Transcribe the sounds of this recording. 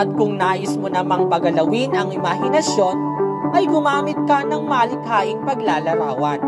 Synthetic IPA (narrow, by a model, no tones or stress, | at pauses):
ɐt̪̚kʊŋnaːʔɪsmonɐmɐŋpɐɡɐlɐwinɐŋɪmahɪnɐsjo̞n | ʔɐjɡʊmaːmɪt̪̚kɐnɐŋmaːlɪkaːʔɪŋpɐɡlaːlɐɾa̰ːwɐn